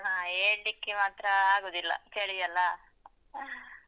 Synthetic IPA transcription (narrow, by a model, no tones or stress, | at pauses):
naeːɳɖikːemaːt̪ɾɐaːɡoːd̪ilːɐ̰keːɭijɐlːɐ